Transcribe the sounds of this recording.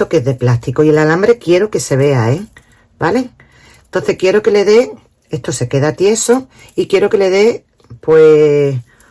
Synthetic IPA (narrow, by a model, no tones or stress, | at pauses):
okeðe̞plast̪ikoie̞lalambɾe̞kje̞ɾoke̞se̞β̞e̞ae | bale̞ŋ | ent̪o̞nθe̞hkje̞ɾoke̞le̞ðe̞ | est̪ose̞ke̞ðat̪je̞so | ikje̞ɾo̞ke̞le̞ðe̞ | pwe